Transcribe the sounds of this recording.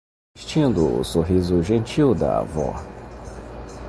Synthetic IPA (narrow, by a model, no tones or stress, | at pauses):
ʃt͡ʃĩnd̪ʊʊ̰soɦizʊʒẽnt͡ʃiwd̪ɐ̰a̰vɔ̰